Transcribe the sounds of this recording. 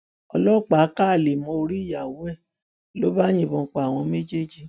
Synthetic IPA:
ɔ̰˧lɔ˦˨k͡pa˨˦ka˦˨le˨mɔ̃˧o˧ɾi˦˨ja˨wo˨˦ɛ˦˨ | lo˨˦ba˦j̃ĩ˦˨bɔ̃˧k͡pa˨a˨w̃ɔ̃˧me˦d͡ʒe˦˨d͡ʒi˨

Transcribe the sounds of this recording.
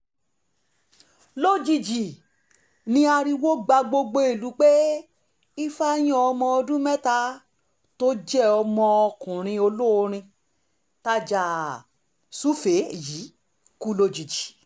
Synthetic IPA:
lo˦d͡ʒi˨d͡ʒi˨ | nĩ˧a˧ɾi˧wo˦ɡ͡ba˧ɡ͡bo˧ɡ͡bo˧e˨lu˨˦k͡pe˦ | i˦fa˦j̃ɔ̃˦ɔ˧mɔ̃˧ɔ˧dũ˦mɛ˦ta˧ | to˦d͡ʒɛ˦˨ɔ˧mɔ̃˧ɔ˧kũ˨ɾ̃ĩ˧o˧lo˦o˧ɾ̃ĩ˧ | ta˧˦d͡ʒa˨ | su˦fe˨˦ji˨˦ | ku˦lo˧d͡ʒi˨d͡ʒi̥˨

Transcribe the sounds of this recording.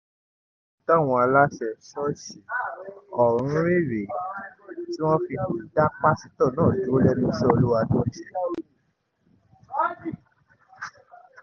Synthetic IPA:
ta˦˨w̃ɔ̃˧a˧la˦ʃɛ˧˨sɔ˦si˨˦ | ɔ˦˨ɾ̃ũ˨˦ɾi˦˨ɾe˨ | ti˦w̃ɔ̃˦fi˧ũ˨˦da˦k͡pa˦si˦tɔ̃˦˨nãː˦˨d͡ʒu˨˦o˦lɛ˦nũ˦sɔ˦o˧lu˦wa˧do˦˨˦i˨

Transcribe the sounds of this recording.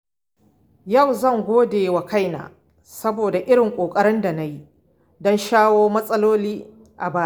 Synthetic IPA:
jɐ˦˨wzɐ˦˨ŋɡʷoː˦deː˨wɐ˨ka˦jna̰ː˨ | sɐ˦boː˨da˨ʔɪ˦ɽɪ˨ŋkʷʼoː˨kʼɐ˦ɾɪ˦nda˨na˦ji˦ | dɔ˦nʃaː˦woː˦mɐ˦sʼɐ˦loː˦liː˦ | ʔa˨baː˦˨

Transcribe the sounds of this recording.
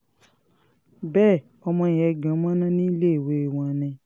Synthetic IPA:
bɛː˦˨ | ɔ˧mɔ̃˧i˨jɛ˧ɡã˨˦mɔ̃˦nã˦nĩ˦i˦le˦e˦˨we˨˦e˨w̃ɔ̃˧nɛ̃˧

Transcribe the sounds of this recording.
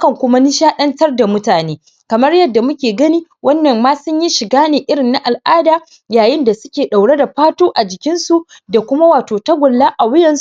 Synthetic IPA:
kɐ˨ŋkʷʊ˦ma˦ni˦ʃaː˦ɗɐ˦ntɐ˦rda˨mʊ˦taː˨neː˦ | kɐ˨mɐ˦rjɐ˦dːa˨mʊ˦kʲeː˨ɡɐ˦ni˦wɐ˦nːɐ˨mːaː˦sʊ˦ɲji˦ʃɪ˨ɡaː˦neː˨ʔɪ˦ɽɪ˨nːa˦ʔa˨lʔaː˦daː˨ | jaː˨jɪ˦nda˨sʊ˦kʲeː˨ɗa˨wɽe˦da˨ɸaː˦toː˦ʔa˨d͡ʒɪ˨kʲɪ˦nsu˨ʔ | da˨kʷʊ˦ma˦waː˨toː˨tɐ˦ɡʷʊ˨lːaː˦ʔa˨wɪ˦jɐ˨ns

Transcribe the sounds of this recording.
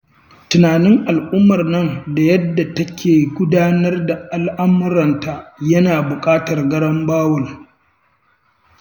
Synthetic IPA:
tʊ˨naː˨nɪ˦ŋʔa˨lʔʊ˦mːɐ˨rnɐ˦nda˨jɐ˦dːa˨tɐ˦kʲʰeː˨ɡʷʊ˦daː˦nɐ˦rda˨ʔa˨lʔa˦mʊ˦ɾɐ˨nta˨jɐ˦naː˨bʊ˨kʼaː˦tɐ˨rɡɐ˦ɽɐ˦mbaː˦wɐ˨l

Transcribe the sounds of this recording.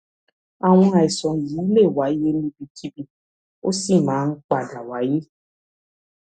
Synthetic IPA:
a˨w̃ɔ̃˧a˨i˨sɔ̃˨jiː˨˦i˦le˦˨wa˨˦je˦nĩ˦bi˧kʰi˦bi˧ | o˦si˦˨mãː˨˦n̩˦k͡pa˨da˨wa˨˦je˦

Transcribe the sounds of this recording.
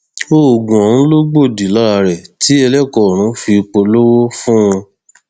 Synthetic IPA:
o˦˨o˨ɡũ˨ɔ˨nũ˨˦lo˦ɡ͡bo˦˨di˨la˦˨˧ɾɛ˨tʰi˨˦ɛ˧lɛ˦˨kɔ˨ɾ̃ũ˨˦fi˧k͡po˧lo˦wo˦fũ˦w̃ɔ̃˧

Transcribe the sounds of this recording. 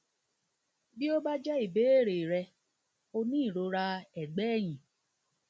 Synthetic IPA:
bi˦o˦ba˦d͡ʒɛ˦i˦˨be˨˦e˦˨ɾe˨ɾɛ˧ | o˧nĩ˦˨ɾo˧˦ɾa˧ɛ˨ɡ͡bɛ˨˦˨j̃ĩ˨

